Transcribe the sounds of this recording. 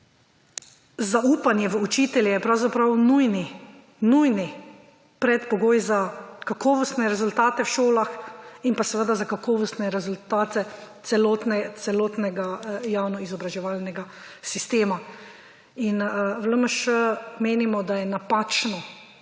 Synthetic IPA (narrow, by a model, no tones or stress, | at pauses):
zauːpanjɛʋəut͡ʃiːt̪ɛljɛjɛpɾawzapɾawnujni | nujni | pɾɛt̪pɔɡoːjzakakɔːʋɔst̪nɛɾɛzult̪aːt̪ɛwʃoːlaxinpasɛʋəd̪azakakɔːʋɔst̪nɛɾɛzult̪aːt̪ɛt̪sɛlɔːt̪nɛt̪sɛlɔːt̪nɛɡajawnɔizɔbɾaʒɛʋaːlnɛɡa | sist̪eːma | inʋləməʃəmeːnimɔd̪ajɛnapaːt͡ʃnɔ